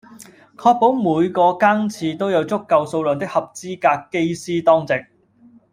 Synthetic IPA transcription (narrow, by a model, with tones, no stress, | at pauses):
kʰɔː˧k̚po˨˥wmuː˨˧jkɔː˧kaː˥ŋt͡sʰiː˧t̪o˥wjɐ˨˧wt͡sʊ˥kːɐ˨˧wso˧wlɵː˨nt̪ɪ˥k̚hɐ˨p̚t͡siː˥kaː˧kːe˥jsiː˥t̪ɔː˥ŋt͡sɪ˨k̚